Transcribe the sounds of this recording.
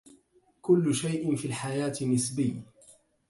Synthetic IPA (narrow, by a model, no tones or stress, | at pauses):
kʊlːʊʃajʔɪfiːlħajaːt̪nːɪsbɪjː